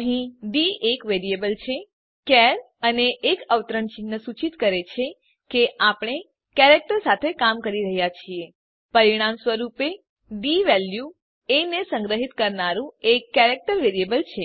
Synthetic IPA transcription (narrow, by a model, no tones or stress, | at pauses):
əɦĩɖiekʋeɾiebəlt͡ʃʰe | kɛɾ | əneʔːkəʋt̪ɾəɳt͡ʃinːəsut͡ʃit̪kəɾet͡ʃʰe | keʔapɳ̃e | kɛɾek̚ʈəɾsat̪ʰekamkəɾiɾəɦjat͡ʃʰie | pəɾiɽ̃amsʋəɾupe | ɖiʋɛlju | enesə̃ŋɡɾəɦit̪kəɾnaɾũekːɛɾek̚ʈəɾʋeɾiebəlt͡ʃʰe